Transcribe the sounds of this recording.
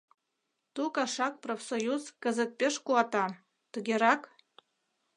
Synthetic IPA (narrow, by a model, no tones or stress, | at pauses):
t̪ukaʂɑk̚profsojuzkəzət̪̚pʲeʂkuɑt̪ɑ | t̪ɨɡʲeɾɑk